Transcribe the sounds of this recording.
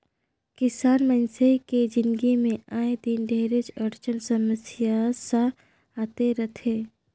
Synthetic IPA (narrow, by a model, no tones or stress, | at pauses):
kɪsaːnmənseked͡ʒɪ̃nɡimẽaːẽd̪inɖʱeːɾet͡ʃəɾt͡ʃənsəməsɪjasa | aːt̪eɾɐt̪ʰeː